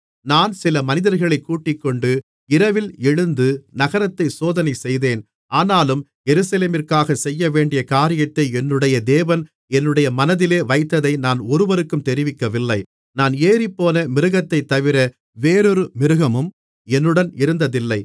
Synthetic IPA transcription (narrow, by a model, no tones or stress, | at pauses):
naːnsɪlɐmɐnɪðɐɾɣɐɭɐɪkːuːʈːɪkːɔɳɖɯ | ɪɾɐʋɪlɛɻɯnd̪ɯnɐɣɐɾɐt̪ːɐɪsoːðɐnɐɪsɛjðeːn | aːnaːlɯm | jɛɾɯsɐleːmɪrkaːɣɐsɛjːɐʋeːɳɖɪjɐkaːɾɪjɐt̪ːɐɪɛnːɯɽɐjɐd̪eːʋɐn | ɛnːɯɽɐjɐmɐnɐðɪleːʋɐɪt̪ːɐðɐɪnaːnɔɾɯʋɐɾɯkːɯmt̪ɛɾɪʋɪkːɐʋɪlːɐɪ | naːneːɾɪpːoːnɐmɪɾɯɣɐt̪ːɐɪt̪ːɐʋɪɾɐ | ʋeːɾɔɾɯmɪɾɯɣɐmɯm | ɛnːɯɽɐnɪɾɯnd̪ɐðɪlːɐɪ